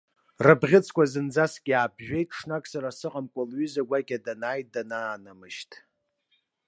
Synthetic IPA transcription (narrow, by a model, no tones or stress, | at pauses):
rɨbʁʲɪt͡sʰkʷʰazɨnd͡zaskʲʼaːbʒᶣe̞jtʼʰʂnakʼsaɾasɨqʼamkʷʼalɥʏzaɡʷakʲʼadanaːjt̚ʼdanaːnamɨʃtʼ